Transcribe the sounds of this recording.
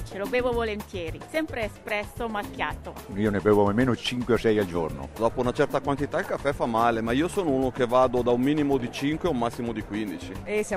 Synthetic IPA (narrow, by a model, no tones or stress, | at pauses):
t͡ʃelobeːvovolent̪jɛːɾisɛmpɾeːspɾɛsːomakjaːt̪oiːonebɛːvomemeːnot͡ʃiŋkweosɛjald͡ʒo̰rno̰d̪ɔːpounat͡ʃɛrt̪akwant̪it̪ailkafːɛfamːaːlemaiːosoːnounok̟evaːd̪od̪aummːiːnimod̪it͡ʃiŋkweumːasːimod̪ikwind̪it͡ʃiesa